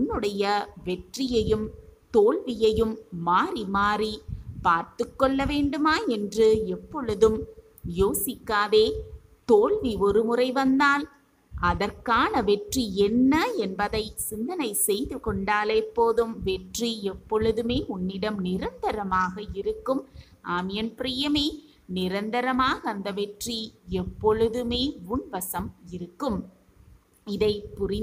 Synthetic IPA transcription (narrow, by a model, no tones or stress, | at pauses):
ʊnːɯɽɐjɐʋɛʈrɪjɐjɯmt̪oːɭʋɪjɐjɯmːaːrimaːripaːɾt̪ɯkːɔɭːɐʋeːɳɖɯmaːɛndrɯɛpːɔɭɯðɯm | joːsɪkːaːðeː | t̪oːɭʋiɔɾɯmʊrɐɪʋɐnd̪aːl | ɐðɐrkaːnɐʋɛʈriɛnːɐɛnbɐðɐɪsɪnd̪ɐnɐɪsɛjðɯkɔɳɖaːlɛpːoːðɯmʋɛʈriɛpːɔɭɯðɯmeːʊnːɪɽɐmnɪɾɐnd̪ɐɾɐmaːɣɐɪɾɯkːɯm | aːmɪjɐnpɾɪjɐmeː | nɪɾɐnd̪ɐɾɐmaːɣɐːnd̪ɐʋɛʈriɛpːɔɻɯðɯmeːʊɳʋɐsɐmɪɾɯkːɯm | ɪðɐɪpːʊrɪ